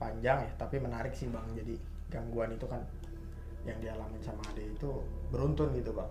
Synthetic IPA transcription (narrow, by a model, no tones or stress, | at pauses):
paɲd͡ʒaŋjat̪apimənaɾɪksibaŋd͡ʒadi | ɡaŋɡuanit̪ukan | jaŋdialamansamaːdait̪ubəɾunt̪ʊnɡit̪uba